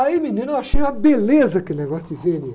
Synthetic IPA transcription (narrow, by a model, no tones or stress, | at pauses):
aiminĩnaʃĩjũɐbelezɐkɪneɡɔsd̪ɪveni